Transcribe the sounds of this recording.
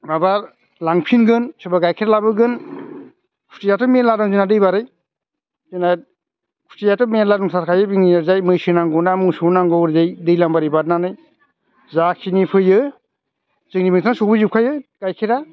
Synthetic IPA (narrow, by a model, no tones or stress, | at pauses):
mabaɾ | laŋpʰinɡɯnsɯbaɡajkʰeɾalabɯɡɯn | kʰu̥stijatʰɔmeladɔŋzɯnadɯjbaɾɯj | zɯna | kʰu̥stijatɔmeladɔŋsʰaɾkʰajɯbiŋniaɾzajmɯjsɯnaŋɡɔwnamɯŋsunaŋɡɔwɾzajdɯjlambaɾijbat̚nanɯj | zakʰinipʰɯjɯ | zɯŋnibiŋtsʰaŋasobɯzip̚kʰajɯɡ̥ajkʰeɾa